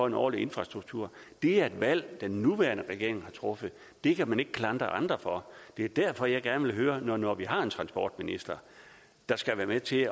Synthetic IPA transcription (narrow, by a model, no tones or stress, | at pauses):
ɒ̽e̝nɒ̰ːlie̝nfʁɑ̈sd̥ʁuɡ̥̚t͡sʰuɐ̰ | d̥e̝æɐe̝d̥ʋæl̰d̥enːuʋæɐnəʁɛɡ̥e̝ɐ̰e̝ŋhɑ̈t͡sʰʁɔ̽fə | d̥e̝kʰæmæne̝ɡ̥əkʰlɑ̈nd̥ʁɐʔɑ̈nd̥ʁɐfɒ̽d̥e̝ɐd̥æɐ̰fɒ̽jɑ̈ɪɡ̥æɐnəʋe̝lɦøːɐnɒnɒʋiɦɑ̈e̝nt͡sʰʁɑ̈nsb̥ɒ̰ːd̥minisd̥ɐ | d̥ɑ̈sɡ̥æʋæːɐmet͡sʰe̝